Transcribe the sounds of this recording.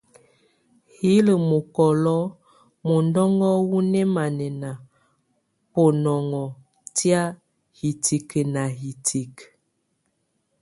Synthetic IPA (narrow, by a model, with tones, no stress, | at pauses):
hi˨˦lə˨mo˨kɔ˨lɔ˦ | mo˨ndɔ˦ŋɡɔ˦wu˦nɛ˦ma˨nɛ˨na˨ | po˨nɔ˨ŋɔ˨ | tja˦ | hi˨ti˨kə˨na˨ɦi˨tʰi˨k